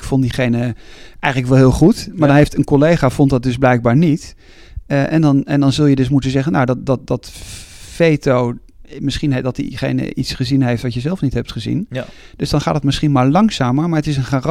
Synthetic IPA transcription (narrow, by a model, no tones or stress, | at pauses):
kfondiχejnəʔɛjχənləkʋɛlˠɦɪːlˠχutmaɹdɑnɦejftənkɔlejχaːfɔntdɑt̚dɵzblɛjɡ̚baːɹnit | ʔɛndɑnɛndɑnzɵlˠjədɵs̬mutənzɛχənawdɑtdɑt̚dɑtfejtow | mɪsχindɑtḭχḛjnə̰ʔitsχəzinɦejftʋɑtjəzɛlˠfnitɦɛp̚tχəzḭn | d̥ɵzdɑnχaːtətmɪsχinmaːɹlɑŋsaːməɹmaːɹətɪs̬ənχaːr